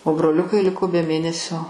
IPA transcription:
oː broːˈlʲʊkɐɪ ˈlʲɪkoː bʲɛ ˈmʲeːnʲɛsʲoː

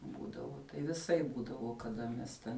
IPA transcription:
ˈbuːdɐʋoː tɐɪ ʋʲɪˈsɐɪp ˈbuːdɐʋoː kɐˈdɐ mʲɛs ˈtʲɛn

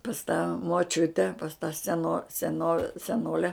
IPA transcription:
pɐs tɑː moːˈt͡ʃʲʊtʲɛ pɐs tɑː sʲɛˈnoː sʲɛˈnoː sʲɛˈnoːlʲɛ

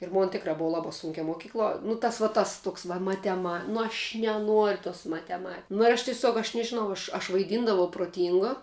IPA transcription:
ɪr ˈmoːn ˈtʲɪkrɑː ˈbʊʋoː ˈlˠɑːbɐ ˈsuːŋʲkʲɛ moːˈkʲiːklˠuɔ nʊ ˈtɐs ʋɐ ˈtɐs ˈtuɔks ʋɐ mɐtʲɛˈmɐ nʊ ɐʃʲ nʲɛˈnuɔrʲ toːs mɐtʲɛˈmɐ nʊ ɪr ˈɐʃ tʲɪˈsʲuɔk ɐʃ nʲɛʒʲɪˈnɐʊ ˈɐʃ ɐʃ ʋɐɪˈdʲiːndɐʋɐʊ proːˈtʲiːŋɡoː

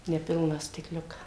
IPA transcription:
nʲɛˈpʲɪlˠnɑː sʲtʲɪkˈlʲʊkɑː

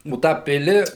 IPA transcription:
oː ˈtɑː ˈpʲɪlʲɪ

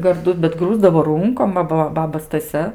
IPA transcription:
ɡɐrˈdʊ bʲɛt ˈɡruːzdɐʋoː ˈruːŋkoːm ˈʋɐ bɐ ˈbɑːbɐ stɐˈsʲɛ

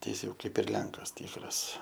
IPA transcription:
tɐɪ ˈjɪs jɛʊ ˈkɐɪp ɪr ˈlʲɛŋkɐs ˈtʲiːkrɐs

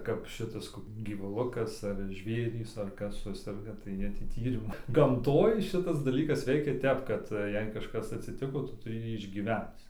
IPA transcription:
kɐp ˈʃʲɪtɐs ˈkoːk ɡʲiːʋʊˈlˠʊkɐs ɐr ˈʒʲʋʲeːrʲiːs ɐr ˈkɐs ˈsʊsʲɛrɡɐ tɐɪ ˈjiɛ tʲiː ˈtʲiːrʲɪmʊ ɡɐmˈtoːj ˈʃʲɪtɐs dɐˈlʲiːkɐs ˈʋʲɛɪkʲɛ ˈtʲɛp kɐt ˈjɛɪ kɐʃˈkɐs ɐtʲsʲɪˈtʲɪkoː ˈtʊ tʊˈrʲɪ ˈjiː ɪʒʲɡʲiːˈʋʲɛnt͡s

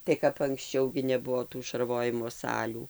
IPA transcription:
tɐɪ kɐp ɐŋksʲˈt͡ʃʲɛʊ ɡʲɪ nʲɛˈbʊʋoː tuː ʃɐrˈʋoːjɪmoː ˈsɑːlʲuː

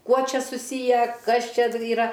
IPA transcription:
ˈkuɔ ˈt͡ʃʲɛ sʊˈsʲiːjæː ˈkɐs ˈt͡ʃʲɛ iːˈrɐ

